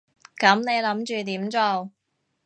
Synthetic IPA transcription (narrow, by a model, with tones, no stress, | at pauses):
kɐ˨˥mne˨˧jlɐ˨˥mt͡ʃyː˨t̪iː˨˥mt͡so˧w